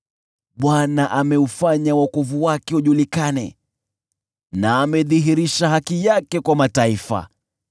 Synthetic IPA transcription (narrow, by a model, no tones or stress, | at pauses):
ɓwanaʔamɛufaɲawakuvuwakɛuʄulikanɛ | naːmɛðiɦiɾiʃaɦakijakɛkwamataifa̰